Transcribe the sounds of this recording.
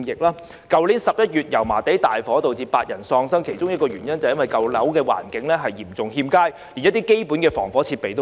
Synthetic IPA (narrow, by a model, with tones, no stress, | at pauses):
jɪ˨k̚laː˥ | kɐ˨wli˨˥nsɐ˨p̚jɐ˥t̚jyː˨t̚jɐ˨˩wmaː˨˩t̪e˨˥jt̪aː˨jfɔː˨˥t̪o˨wt͡siː˧paː˧t̚jɐ˨˩nsɔː˧ŋsɐ˥ŋkʰe˨˩jt͡ʃʊ˥ŋjɐ˥t̚kɔː˧yː˨˩njɐ˥nt͡sɐ˨wjɐ˥nwɐ˨jkɐ˧wlɐ˨˥wkɛː˧wa̰ː˨˩nkɪ˨˥ŋlɛː˥ɦɐ˨jːiː˨˩mt͡sʊ˨ŋɦiː˧mkaː˥j | li˨˩njɐ˥t̪iː˥ke˥jpuː˨˥nkɛː˧fɔː˨˩ŋfɔː˨˥t͡sʰiː˧t̚pe˨jt̪o˥